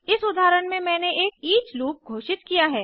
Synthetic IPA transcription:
ɪsʊd̪ʱaːɾəɳmẽmɛ̃ːneʔeːkiːt͡ʃluːp̚ɡʱoːʃɪt̪kijaɦɛː

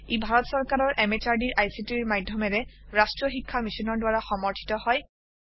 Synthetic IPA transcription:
ebʱaɹɔtsɔɹkaɹɔɹʔɛmet͡ʃaɹdiɹʔajsitiɹmajdʱjɔmɛɹɛɹastɹɔxikʰːamisɔnɔɹdʊwaɹaxɔmɔɹtʰi̥tɔhɔj

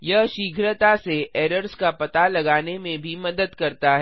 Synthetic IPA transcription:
jɐɦʃiːɡʱɾət̪aseʔeːɾəɾskapɐt̪alɐɡaːnemẽbʱimɐd̪əd̪kɐɾt̪aɦɛ

